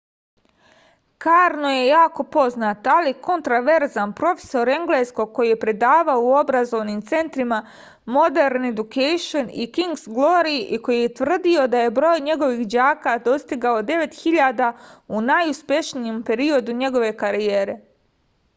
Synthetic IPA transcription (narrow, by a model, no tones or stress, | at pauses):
kaːɾno̞je̞jaːko̞po̞znaːt̪oaliko̞nt̪ɾaʋe̞ɾzanpɾo̞fe̥so̞ɾe̞ŋɡle̞sko̞ɡ̚ko̞jijepɾe̞d̪aːʋaouo̞bɾazo̞ʋnimt̪se̞nt̪ɾima | mo̞d̪eɾne̞d̪ukejʃonikiŋɡsɡlˠo̞ɾiʔiko̞jije̞t̪ʋr̩d̪io̞d̪aje̞bɾo̞ːjɲe̞ɡo̞ʋixd͡ʑaːkad̪o̞st̪iɡaod̪e̞ʋe̞t̪xiʎaːd̪aunajuspje̞ʃnijempe̞ɾio̞d̪uɲe̞ɡo̞ʋe̞kaɾijeːɾe̞